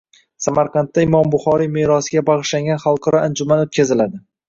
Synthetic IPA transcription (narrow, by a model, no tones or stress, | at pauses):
samaɾqʰɑnt̪ːaɪmɒmbʊχɒɾimeɾɒsɪɡʲabɑʁɨʃlaŋɡʲanχɑlˠqʰɑɾɒand͡ʒʊmanot̪̚kʲazɪlad̪ɪ